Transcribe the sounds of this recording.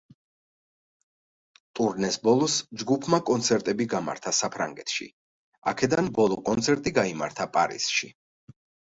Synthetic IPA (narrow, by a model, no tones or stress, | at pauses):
t̪ʼuɾnɛsbɔlˠɔsd͡ʒɡupʰmakʼɔnt̪sʰɛɾt̪ʼɛbiɡama̰ɾt̪ʰasapʰɾa̰ŋɡɛt̪ʰʃḭ | akʰɛd̪anbɔlˠɔkʼɔnt̪sʰɛɾt̪ʼiɡaima̰ɾt̪ʰapʼaɾḭsʃḭ